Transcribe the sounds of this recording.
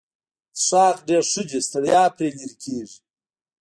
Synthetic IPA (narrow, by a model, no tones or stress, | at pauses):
ʂɑːqɖeːɾʂʊd͡ʒest̪ɐɽjɑːpɾeːliɾkʰeːʐi